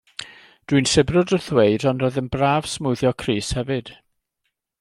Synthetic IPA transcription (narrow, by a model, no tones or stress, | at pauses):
d̥winsɪbrʊdəθweɨdɔnrɔːðənbraːv̥smʊðjɔkʰriːshɛvɨd̥